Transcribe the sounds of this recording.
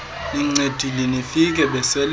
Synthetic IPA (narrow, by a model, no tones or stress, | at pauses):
iŋ͡ǀed̥ʱilinifik̬ʼɛɓɛsɛl